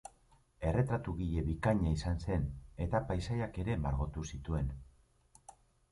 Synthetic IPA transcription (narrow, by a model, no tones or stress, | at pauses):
e̞re̞t̪ɾat̪uɣiʎe̞βikaɲaisanse̞ne̞t̪apajsajake̞ɾe̞maɾɣo̞t̪usit̪ue̞n